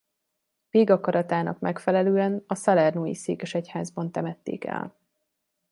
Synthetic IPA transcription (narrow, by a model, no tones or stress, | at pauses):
veːɡɒkɒɾɒt̪aːnɒ̰kmʔɛkfɛlɛløːɛnɒsɒlɛrnoːjḭseːkɛʃɛchaːzbɒn̪t̪ɛmɛt̪ːḛːkɛ̰l